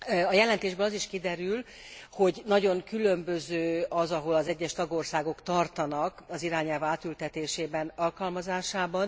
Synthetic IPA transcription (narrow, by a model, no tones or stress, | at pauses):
ɒjɛlɛnt̪eːʒbøːlɒziʃkid̪ɛɾyl | ho̞ɟnɒɟo̞ŋkylø̞mbø̞zøːɒzɒɦo̞lɒzɛɟːɛʃt̪ɒɡo̞rsaːɡo̞kt̪ɒrt̪ɒnɒkɒziɾaːɲɛlvaːt̪ylt̪ɛt̪eːʃeːbɛnɒlkɒlmɒzaːʃaːbɒn